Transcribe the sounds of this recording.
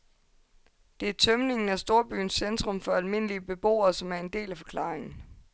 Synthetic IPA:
d̥e̝æɐt͡sʰœmne̝ŋn̩æsd̥o̝ːɐb̥y̰ːn̩sːend̥ʁɔ̽mfɒ̽ælme̝n̰əliəb̥e̝b̥o̝̰ːɐːsɒ̽mæɐe̝nd̥e̝̰ːlæfɒ̽kʰlɑ̰̈ːʁeŋn̩

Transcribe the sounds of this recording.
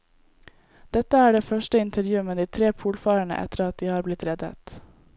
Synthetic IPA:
d̪̥ɛt̪əæːɖeːfœʃʈəɪnt̪ʰəɾjʉːəməd̪iːt̪ʰɾeːpʰuːlfɑːɾəɳə̰ʔɛ̰t̪əɾɑt̪̚d̪iːhɑːɾblɪt̪ɾɛd̪ə̰t̪

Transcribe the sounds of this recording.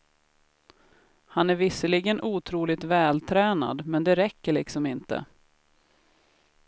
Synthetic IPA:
hanæɾvɪsəlɪɡənʔuːt̪ʰɾuːlɪt̪vɛːlt̪ʰɾɛːna̰d̪mɛnd̪ɛɾɛkːəɭɪ̰ksɔmɪnt̪ə̰

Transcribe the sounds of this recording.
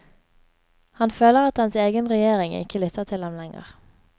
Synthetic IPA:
hɑnføːləʁɑt̪dɑnseːɡənʁɛjeːʁɪŋɪ̰kəlʏt̪ʰəʁt̪ʰɪld̪ɛmlɛŋə̰ʁ

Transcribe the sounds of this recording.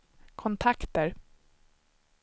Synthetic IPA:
kʰɔnt̪ʰakt̪əɾ

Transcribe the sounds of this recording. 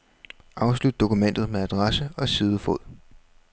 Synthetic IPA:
ʔɑ̈ʊslud̥̚ːo̝kʰumen̰d̥ð̞̩ˠmeæd̥ʁɑsəɒ̽siːðˠəfɔð̰ˠ

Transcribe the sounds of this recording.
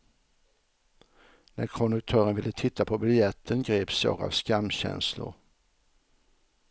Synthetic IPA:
næɾkʰɔnd̪ɵk̚t̪ʰœːɾənvɪlːət̪ʰɪt̪ʰːapʰɔbɪljɛt̪ʰːənɡɾeːpsjɑ̰ːɡa̰vskamːɕɛ̰nslʊ̰ɾ

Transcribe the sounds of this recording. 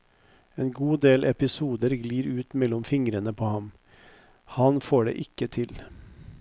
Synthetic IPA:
eːnɡuːd̪eːlʔɛpɪsuːd̪əɾɡliːɾʉːt̪mɛlɔmfɪŋɾənəpʰoːhɑm | hɑnfoːɖḛːʔɪkːət̪ʰɪl

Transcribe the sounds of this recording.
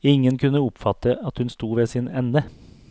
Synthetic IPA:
ɪŋːənkʰʉnːəʊpfɑt̪ːəɑt̪hʉnst̪uːʋeːsɪnɛnːə

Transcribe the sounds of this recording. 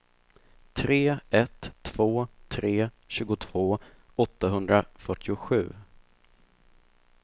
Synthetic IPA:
t̪ʰɾeːɛt̪ʰːv̥oːt̪ʰɾeː | ɕʉ̟ːɡʊt̪ʰv̥oː | ɔt̪ːaɦɵnd̪ɾafœʈːɪʊɧʉ̟ː

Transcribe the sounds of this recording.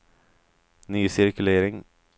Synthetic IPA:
nyːsɪɾkʉleːɾɪŋ

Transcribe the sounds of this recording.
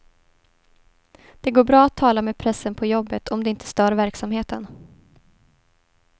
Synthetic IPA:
d̪̥ɛɡoːbɾɑːat̪ʰːɑːlameːd̪̚pʰɾɛsːənpʰɔjɔbːət̪ʰɔmd̪ɛɪnt̪ʰə̥st̪œːɾvæɾksamheːt̪ən

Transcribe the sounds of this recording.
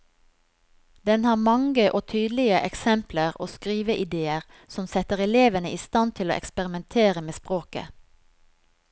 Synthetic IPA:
d̪ɛnhɑːʁmɑŋɡəʔoːt̪ʰyːd̪lɪəʔɛksɛmpləʁo̰ːskʁiːʋəʔɪd̪eːəʁ | sɔmsɛt̪əʁɛleːʋənəʔiːst̪ɑnt̪ʰɪlo̰ːʔɛ̰kspɛʁɪmɛnt̪ʰeːʁəmeːspʁoːkə̰

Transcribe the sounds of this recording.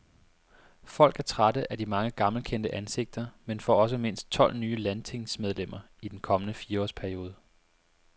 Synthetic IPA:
fɒ̽l̰ɡ̥æɐt͡sʰʁadəʔæɐd̥imɑ̈ŋəɡ̥ɑ̈ml̩kʰen̰d̥əʔænse̝ɡ̥̚d̥ɐmenfɒ̰ːɒ̽s̬əme̝n̰sd̥̚t͡sʰɒ̽l̰nyːəlænt͡sʰe̝ŋsmeð̞ˠlem̰ɐ | id̥enkʰɒ̽mənəfiːɐɒ̰ːspʰæɐio̝ːð̞ˠə

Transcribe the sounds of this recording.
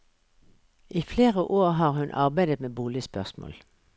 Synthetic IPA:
ʔiːfleːʁəʔoːʁɦɑːʁhʉnʔɑ̰ʁbæɪd̪ət̪meːbuːlɪəspœʁsmo̰ːl

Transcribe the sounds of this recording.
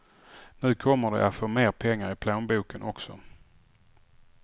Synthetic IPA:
nʉ̟ːkʰɔmːəɖɛ̰ʔat̪foːmeːɾpʰɛŋːaɾɪpʰloːnbuːkənʔɔksɔ

